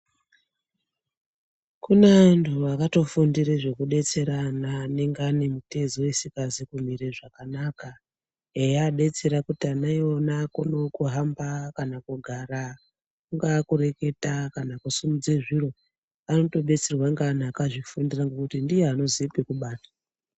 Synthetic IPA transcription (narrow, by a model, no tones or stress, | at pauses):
kunentʰuakato̞fundiɾeʐe̞kuɗe̞t͡se̞ɾanaːne̞ŋɡeane̞mute̞ziwesikazikum̤iɾeʐakanaka | ejaɗe̞t͡se̞ɾakutianaionakuno̞kuɦambakanakuɡʱaɾa | kuŋɡakuɾe̞ke̞takanakusumud͡zeʐiro̞ | ano̞to̞ɓe̞t͡serwaŋɡan̤akaʐifundiraŋɡekutindijeano̞ziipekuɓaːtḁ